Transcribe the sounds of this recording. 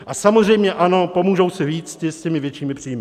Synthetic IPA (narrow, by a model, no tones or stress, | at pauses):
ʔasamozr̝ɛjmɲɛʔano̞po̞muːʒowsɪviːt͡scɪscɛmɪvjɛt͡ʃiːmɪpr̥ijmɪ